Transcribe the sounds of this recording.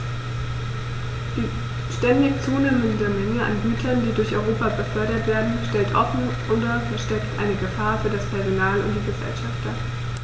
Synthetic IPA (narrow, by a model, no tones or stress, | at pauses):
d̥iː | ʃtɛndɪçt͡suːneːməndəmɛŋəa̰nɡyːtʰɐndiːdʊɐçʔɔʏʁoːpabəfœɐɾɐtv̥eːɐdn̩ʃtɛltʔɔfn̩ʔʊːdɐfɛʃtɛktʔa̰ɪnəɡəfaːɐfyːɐɾaspʰɛɐzonaːlʊ̰nt̚d̥iːɡəzɛ̰lʃaft̚d̥aː